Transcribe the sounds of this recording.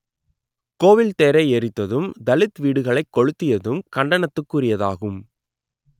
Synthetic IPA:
koːʋɪlt̪eːɾɐɪɛɾɪt̪ːɐðɯmd̪ɐlɪt̪ʋiːɽɯɣɐɭɐɪkːɔɻɯt̪ːɪjɐðɯmkɐɳɖɐnɐt̪ːɯkːurɪjɐða̰ːɣɯm

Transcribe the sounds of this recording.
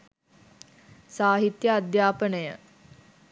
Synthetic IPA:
saːɦit̪jəad̪jaːpənəjə

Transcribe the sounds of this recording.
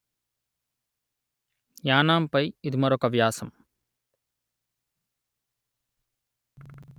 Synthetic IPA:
jaːnaːmpɐjid̪imɐɾokɐʋjaːsɐm

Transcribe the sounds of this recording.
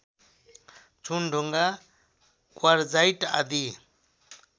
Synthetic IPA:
t͡sʰunɖʱoŋɡa | kwaɾd͡zajʈa̰d̪i

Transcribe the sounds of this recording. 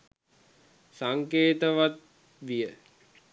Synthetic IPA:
saŋkeːt̪əʋat̪̚ | ʋijə

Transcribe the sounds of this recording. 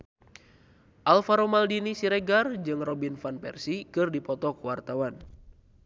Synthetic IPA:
ʔalfaɾomaldinisiɾɛɡard͡ʒɨŋrɔbinfanpɛ̰rsikɨrdipɔt̪ɔkuwart̪awan

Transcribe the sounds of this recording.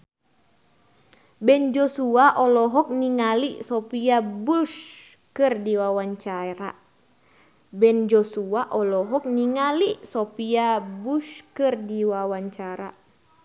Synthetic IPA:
bɛnd͡ʒɔsuaʔɔlɔɦɔk̚niŋalisɔpiabuʃ | kɨrdiwawaɲt͡ʃaɾa̰ | bɛnd͡ʒɔsuaʔɔlɔɦɔk̚niŋalisopiabuʃkɨrdiwawaɲt͡ʃaɾa

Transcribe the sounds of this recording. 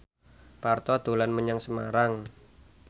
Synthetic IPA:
part̪ɔd̪̥o̤lanməɲaŋsəma̰ɾaŋ

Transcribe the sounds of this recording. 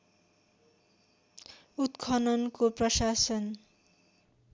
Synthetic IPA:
ut̪kʰʌnʌnkoprʌsasʌn

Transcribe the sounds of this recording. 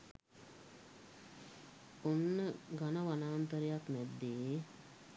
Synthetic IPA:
onːəɡanəʋanaːnt̪əɾejakmɛd̪ːe

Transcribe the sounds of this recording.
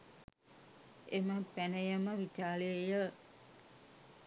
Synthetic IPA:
eməpænəjəməʋit͡ʃaːləejə

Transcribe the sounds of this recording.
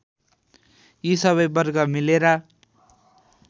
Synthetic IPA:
jisʌβʌjbʌrɡʌmileɾʌ

